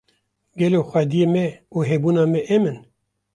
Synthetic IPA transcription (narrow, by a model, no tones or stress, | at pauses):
ɡɛloxʷɛd̪ijeːmɛuɦebuːnɑːmɛʔemɨn